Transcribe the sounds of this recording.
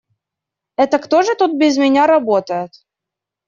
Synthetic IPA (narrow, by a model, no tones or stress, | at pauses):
ɛt̪əkt̪oʐɨt̪ut̪̚bʲɪzmʲɪnʲaɾɐbot̪əjɪt̪